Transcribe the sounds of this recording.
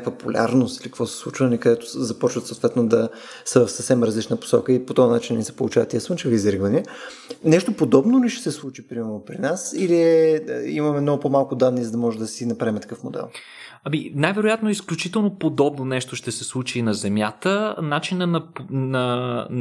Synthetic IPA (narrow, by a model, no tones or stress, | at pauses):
populʲa̰ɾnost̪ilikɐkvɔsɛ̥slˠut͡ʃvənikɐd̪ɛt̪o̥zɐpɔt͡ʃvət̪sot̪vɛt̪nod̪ɐ | səvɐfsəfsɛmɾɐzlit͡ʃnəpo̥sɔ̰kəipot̪ɔɐnat͡ʃinnʲisɛ̥po̰lˠut͡ʃavət̪iɛsvənt͡ʃɛviizɾiɡvəni | nɛʃt̪opod̪ɔbnoliʃɛ̥sɛslˠut͡ʃipɾimɛɾnopɾinasili | imɐmɛmnɔɡʊpomalˠkʊd̪anːizəd̪ɐmɔʒɛd̪ɐsinɐpɾaimɛt̪ɐ̥kɤfmod̪ɛ̰lˠ | ɐminajvɛɾojat̪noɛisklʲut͡ʃit̪ɛlˠnopod̪ɔbnonɛʃt̪oʃt̪ɛsɛslˠut͡ʃinɐzɛmjat̪ənat͡ʃinənɐpnɐ